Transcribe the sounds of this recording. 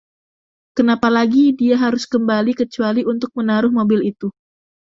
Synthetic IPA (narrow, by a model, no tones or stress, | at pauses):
kənapalaɡidiaɦaɾʊskəmbalikət͡ʃualiʔunt̪ʊk̚mənaɾʊhmobɪlit̪u